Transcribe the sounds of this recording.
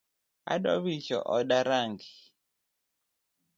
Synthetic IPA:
a̰ɗɔβit͡ʃɔ̰ʔɔɗaɾaŋɡi

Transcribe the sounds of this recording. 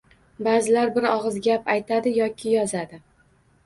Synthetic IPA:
baːzɪlaɾbɪɾɒʁɨzɡʲapajt̪ʰad̪ɪjɒkʲʰɪjɒzad̪ɪ

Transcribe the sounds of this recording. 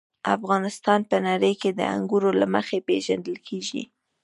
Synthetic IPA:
a̰fɣɑnɪst̪ɑnpənaɾəjked̪ə̰a̰ŋɡuɾolaməxepeʒand̪əlkʰeʒḭ

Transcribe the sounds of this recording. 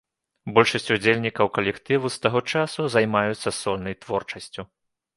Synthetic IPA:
bɔlʲʂɐsʲt͡sʲud͡zʲelʲnʲikɐwkɐlʲɛkt̪ɨvust̪aɣɔt͡ʂasuzɐjmajut̪sːɐsɔlʲnɐjt̪vɔrt͡ʂɐsʲt͡sʲu

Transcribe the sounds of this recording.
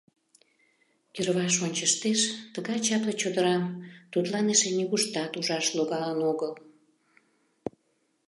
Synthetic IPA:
k̪erβɑʃonʲt͡ɕəʃt̪eʃt̪əɣɑjt͡ɕɑplet͡ɕod̪əɾɑmt̪ut̪lɑneʃeniɣuʃt̪ɑt̪uʒɑʃloɣɑlənoɣəl

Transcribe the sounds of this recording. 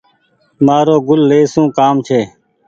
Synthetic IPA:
maːɾoːɡʊlːeːsũːkaːmt͡ʃʰeː

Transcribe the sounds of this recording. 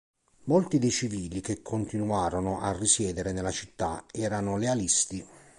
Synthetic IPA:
molt̪id̪ejt͡ʃiviːlik̟ekʰːont̪inuaːɾonʊʔarːisjɛːd̪eɾenelːat͡ʃit̪ːaɛːɾanʊlealist̪i

